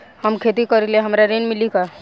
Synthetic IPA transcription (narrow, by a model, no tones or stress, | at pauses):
həmkʰeːt̪ikəɾileɦɐmɾaɾenmɪlika